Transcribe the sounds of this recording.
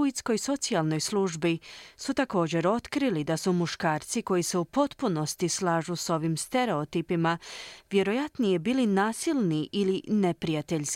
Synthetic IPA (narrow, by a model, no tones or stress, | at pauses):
uit̪sko̞jso̞t̪sialˠno̞jsluʒbisut̪ako̞ːd͡ʑe̞ɾo̞t̪kɾilid̪asumuʃkaːɾt̪siko̞jise̞upo̞t̪puno̞st̪islaːʒuso̞ʋimst̪e̞ɾe̞o̞t̪ipimaʋje̞ɾo̞jat̪nijebiːlinaːsilˠniʔiline̞pɾijat̪eʎʲsk